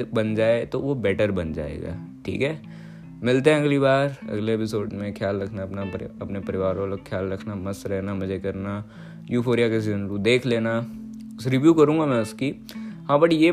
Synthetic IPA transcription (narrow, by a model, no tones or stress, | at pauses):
bɐnd͡ʒaːet̪oʋobɛːʈəɾbɐnd͡ʒa̰ːḛːɡa̰ːʈʰḭːkɦɛː | mɪlt̪eɦɛ̃ɐɡlibaːɾɐ̰ɡleːpɪsoːɖmẽkʰjaːlɾɐkʰnapnaɐpnepɐɾɪʋaːɾõlɐkʰjaːlɾɐkʰnamɐsɾɛɦnamɐd͡ʒʱekɐɾna | juːfʰoːɾijakesɐnɾũd̪eːkʰleːna | ʊsɾɪʋjuːkɐɾũːŋɡamɛ̃ʊski | ɦãbɐʈije